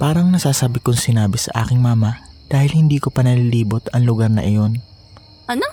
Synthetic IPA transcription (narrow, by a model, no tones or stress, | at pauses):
paːɾɐŋnɐsaːsaːbɪkʊŋsɪnaːbɪsɐ̰ʔa̰ːkɪŋmaːmɐd̪̥aːhɪlhɪnd̪iːkopɐnɐliːliːbʊt̪ɐŋlʊɡɐɾnɐ̰ʔɪjo̞n